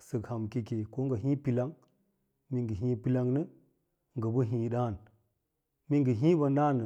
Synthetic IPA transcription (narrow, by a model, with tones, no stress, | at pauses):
sə˨kha˨mki˦ke˨ko˦ŋɡə˨ɦĩ˦pi˨la˦ŋ | mi˨ŋɡə˨ɦĩ˦pi˦la˦ŋnə˦ | ŋɡə˨bə˦ɦĩ˨ɗa˦˨n | mi˦ŋɡə˨ɦĩ˦ba˨nɗa˦˨nə˨